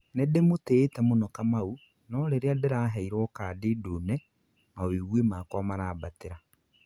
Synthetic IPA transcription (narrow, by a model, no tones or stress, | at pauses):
nedemoteːtɛmonɔkamau | nɔɾeɾeadeɾaɦɛiɾwɔːkadedonɛ | maweɣwemakɔmanaːbateɾa